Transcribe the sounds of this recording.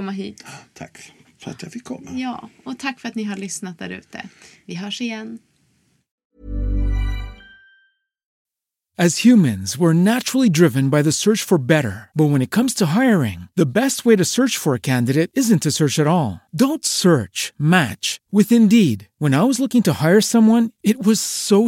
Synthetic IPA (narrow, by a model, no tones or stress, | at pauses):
ɔmːaɦiːt̪t̪ʰakfəɾa̰t̪jafɪkʰːɔ̰mːajɑ̰ːɔt̪ʰakːfəɾat̪nɪɦaɭʏsnat̪̚d̪æ̰ɾʉ̰ːt̪ʰə̰vɪɦœːʂɪjɛn | ɨz̥hjʉmɨ̃nzwə˞næt͡ʃɹl̩ˠidɹɪvɨ̃nbaɪðɨsɜ˞t͡ʃfə˞bɛɾə̰˞b̥ʌt̚wə̃ñɨt̚kʰʌ̃mz̥tʰəɦaɪə˞ɪ̰̃ŋðɨbɛst̚weɪɾɨsɜ˞t͡ʃfə˞ɨkʰæ̃ndɨɾeɪɾɪzɨ̃ntʰɨsɜ˞t͡ʃɨɾɔlˠdõʊ̃ntsɜ˞t͡ʃmæ̰t͡ʃwɨðɨ̃ndid̚wə̃naɪwʌzlʊkɪ̃ŋtʰəhaɪə˞sʌ̃mwʌ̃nɨt̚wʌz̥soʊ